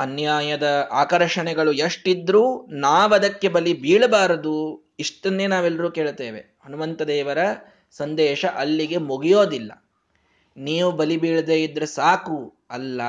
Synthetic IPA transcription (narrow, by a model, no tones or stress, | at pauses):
ɐnjaːjɐd̪ɐaːkɐɾʂɐɳɛɡɐɭuɐʂʈid̪ɾuːnaːʋɐd̪ɐkːe̞bɐlibiːɭɐbaːɾɐd̪u | iʂʈɐnːeːnaːʋelːɐɾuːke̞ːɭt̪eːʋe | ɐnuʋɐnt̪ɐd̪ɛːʋɐɾɐ | sɐnd̪ɛːʃɐʔɐlːiɡe̞muɡijoːd̪ilːɐ̰ | niːʋubɐlibiːɭd̪eːid̪ːɾesaːku | ɐlːɐ